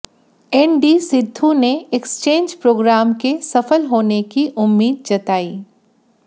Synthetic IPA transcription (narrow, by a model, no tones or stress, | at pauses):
ɛnɖisɪd̪ʱːuneekst͡ʃẽːnd͡ʒpɾoːɡɾaːmkesɐfəlɦoːnekiʔʊmːiːd̪̚d͡ʒɐt̪aːiː